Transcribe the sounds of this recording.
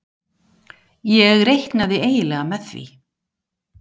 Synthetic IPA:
jɛɣɾejht̪naðɪeːjɪlɛːɣamɛθvḭ

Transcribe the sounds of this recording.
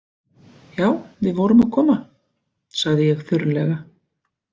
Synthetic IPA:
jaːwvɪðvɔːwɾʏmaðkʰɔːma | saɣðɪjɛɣθʏɾlɛɣa

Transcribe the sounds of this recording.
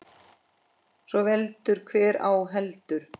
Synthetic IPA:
svɔvɛlt̪ʏɾ̥kʰvɛːɾa̰wɦɛlt̪ʏɾ̥

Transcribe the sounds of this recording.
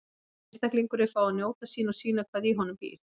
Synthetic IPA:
ɪst̪ahkliŋkʏɾɪfaːwanjoːwt̪asiːnɔsiːnakʰvaðiɦɔnːʏmvḭːɾ

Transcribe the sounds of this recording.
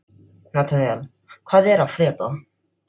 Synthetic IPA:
nat̪ʰɛnal | kʰv̥aːðɛɾavfɾɛːt̪ɔ

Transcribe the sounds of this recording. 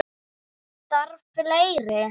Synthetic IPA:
θaɾvfleːjɾɪ

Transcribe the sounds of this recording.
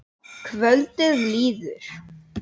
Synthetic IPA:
kʰvœlt̪ɪðliːðʏ̰ɾ̥

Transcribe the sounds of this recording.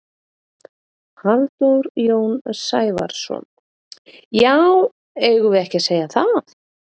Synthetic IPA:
halt̪owɾjoːwnsaːjva̰ɾ̥sɔ̰n | jaw | ejɣʏvɪðɛhcɪseːjaθaθ

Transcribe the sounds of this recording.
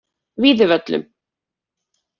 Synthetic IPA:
viːðɪvœt̪lʏ̰m

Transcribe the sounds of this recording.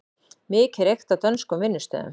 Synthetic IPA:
mɪːkɛɾejxt̪at̪œnskʏmvɪnːʏst̪œ̰ːðʏ̰m

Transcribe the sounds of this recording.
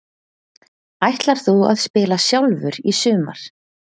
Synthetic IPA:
ajht̪laɾ̥θua̰ðspɪːlasjawlvʏɾisʏːma̰ɾ̥

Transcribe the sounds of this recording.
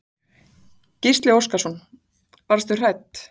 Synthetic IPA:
cist̪lɪowskasɔn | vaɾast̪ʏr̥ɛt̪

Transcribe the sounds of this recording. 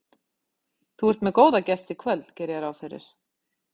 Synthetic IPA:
θuɛɾ̥t̪mɛðkoːwðacɛst̪ɪkʰvœlcɛːɾɪjɛɾaːwfɪrɪ̰ɾ̥

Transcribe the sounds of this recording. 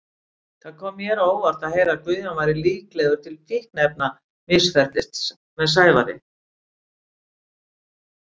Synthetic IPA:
θaðkʰɔːmːjɛɾoːwvaɾ̥t̪aðhejɾakvʏðʏnvajɾɪliːklɛɣʏɾ̥t̪ʰɪlp̪ʰɪhknɛp̚na | mɪsfɛr̥t̪lɪst̪ | mɛðs̬aːjva̰ɾɪ̰

